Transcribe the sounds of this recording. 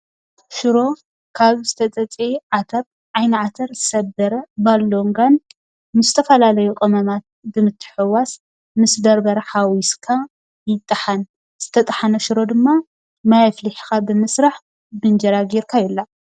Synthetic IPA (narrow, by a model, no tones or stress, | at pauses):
ʃɨɾo̞ | kʰaβzɨt̪ʰɐt͡s̪ʼɐt͡sʼeʕat̪ʰɐɾ | ʕajnɨʕat̪ʰɐɾzɨsɐbɐɾɐbalːo̞ŋɡan | mɨzɨt̪ʰɐfɐlalɐjukʼɐmɐmat̪̚bɨmɨt̪ʰːɨ̥ħɨwas | mɨsd̪ɐɾbɐɾɐħawiskʰa | jɪt̪ʼːɨħan | z̥ɨt̪ʰɐt̪ʼɐħanɐʃɨɾo̞d̪ɨmːa | majafliħikabɨmɨsɾaħ | bɨnd͡ʒɐɾaɡiɾkʰajɛlːa